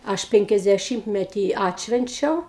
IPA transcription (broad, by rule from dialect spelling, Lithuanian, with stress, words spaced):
ˈɐʃ ˌpʲɛŋʲkʲɛzʲdʲɛˈʃʲɪmʲtʲmʲɛtʲiː ˈɑːtʲʃʲʋʲɛnʲt͡ʃʲɛʊ